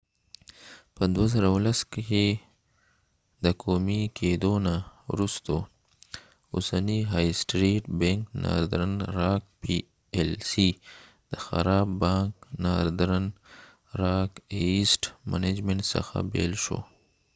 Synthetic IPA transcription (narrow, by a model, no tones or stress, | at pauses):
pəd̪wazəɾalaske | d̪əkʰomikʰed̪onawɾust̪o | ʊsaniɦajsʈɾiʈbeŋkna̰ɾd̪ɾənɾɑk̚pi | elsi | d̪̥əxa̰ɾɑbːɑ̃ŋknaɾd̪ɾan | ɾɑkesʈmaned͡ʒmeɳʈsə̰xa̰bḛlʃo̰